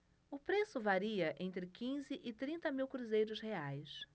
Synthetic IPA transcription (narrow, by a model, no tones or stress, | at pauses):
ʊpɾesʊvaɾiɐʔẽnt̪ɾɪkĩzɪʔɪt̪ɾĩnt̪ɐmiwkɾuzejɾʊsheajs